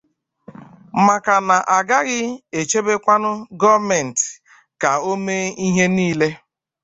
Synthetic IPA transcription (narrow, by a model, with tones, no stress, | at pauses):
ma˨ka˨na˨ʔa˨ɡa˦ɣɪ˦e˨t͡ʃe˦be˦kʷa˦nʊ˦ɡɔ˦mɛ˨n̩˨t | ka˨o˦me˦i˦ɦe˦niː˦le˦